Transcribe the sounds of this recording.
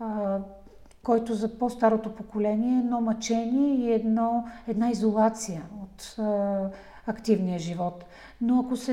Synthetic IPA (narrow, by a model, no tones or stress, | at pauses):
kɔjt̪ozɐpost̪aɾot̪opokolɛniɛɛd̪nɔmɐt͡ʃɛniɛiɛd̪nɔɛd̪naizolˠat̪sijəot̪ | ɐkt̪ivnijəʒivɔt̪ | noɐkosɛ